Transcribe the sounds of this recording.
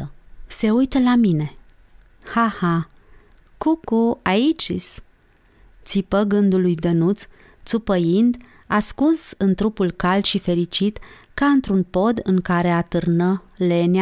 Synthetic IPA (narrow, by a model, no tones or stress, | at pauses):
se̞ujt̪əlamine̞ | haha | kukuait͡ʃis | t̪sipəɡɨnd̪ulujd̪ənut̪s | t̪supəjind̪ | askunsɨnt̪ɾupulkald̪ʃife̞ɾit͡ʃit̪kaɨnt̪ɾunpo̞d̪ɨŋkaɾe̞at̪ɨrnəle̞na